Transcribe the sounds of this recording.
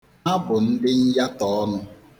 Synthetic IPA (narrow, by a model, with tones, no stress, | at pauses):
a˦bʊ˨n̩˦dɪ˦n̩˦ja˦tɔ˨ɔ˦nʊ˦